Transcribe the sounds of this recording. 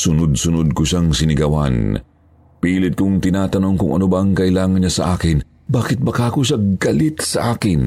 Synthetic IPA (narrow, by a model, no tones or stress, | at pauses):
sʊnod̪̚sʊnod̪̚koʃaŋsɪnɪɡɐwɐ̰n | piːlɪt̪̚kʊŋt̪ɪnaːt̪ɐno̞ŋkʊŋɐ̰nobɐɐŋkɐʔɪlaːŋɐnɲɐsɐ̰ʔaːkɪn | baːkɪt̪̚bɐkaːkoʃɐɡɐlɪt̪sɐʔaːkɪn